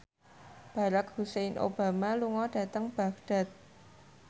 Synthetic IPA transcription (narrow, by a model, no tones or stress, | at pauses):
b̥a̤ɾak̚husenʔo̰b̥a̤maluŋɔɖ̥a̤t̪əŋb̥a̤k̚ɖ̥a̤t̪̚